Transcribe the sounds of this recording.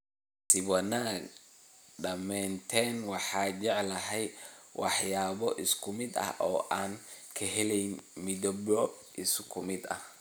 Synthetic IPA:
sɪwɑnaːɡ | ɖɐmɛːnt̪ʰɛnwɑħɑːt͡ʃɛʕlɐɦɛjwʔɑħjaːβɔʔɪskʰʊmɪd̪ɐ̰hɔːʔaːnkʰɐɦɛlɛjnmɪðɔbɔ | ʔɪskʰʊmɪd̪ɐ̰h

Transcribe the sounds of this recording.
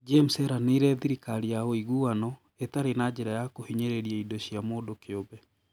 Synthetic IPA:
d͡ʒemsɛɾaneɾɛðiɾikaɾijaoiɣuanɔ | etaɾenad͡ʒɛɾajakohiɲeɾeɾiaidoʃiamoːdokeobɛ

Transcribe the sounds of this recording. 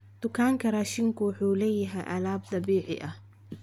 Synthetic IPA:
d̪̥ʊkʰaːŋkʰɐraːʃɪŋkʰʊwʊħuːlɛjɐɦɛjʔɐ̰laːb̚d̪ɑbiːʕɪ̰ʔɐh

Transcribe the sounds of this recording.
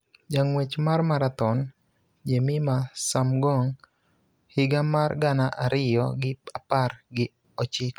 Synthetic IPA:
d͡ʒaŋwet͡ʃmarmaɾat̪ɔn | d͡ʒemimasamɡɔŋ | hɪɡamarɡanaʔaɾɪjɔɡɪpaparɡɪ | ɔt͡ʃɪk

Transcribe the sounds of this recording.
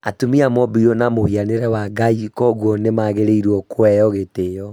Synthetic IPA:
atumiamɔbiɔnamohianeɾɛwaɡaikɔɣwɔnemaːɣeɾeiɾwɔkwɛjɔɣetejɔ

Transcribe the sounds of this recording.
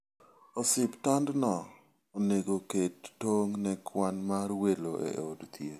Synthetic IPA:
osɪptandnɔ | oneɡoketːoŋnɛkwanmarweloʔḛodt̪ʰje

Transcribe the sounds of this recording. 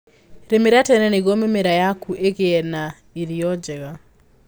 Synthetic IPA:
ɾemeɾatɛnɛneɣomemeɾajakuʔeɣeɛna | iɾiɔd͡ʒɛɣa

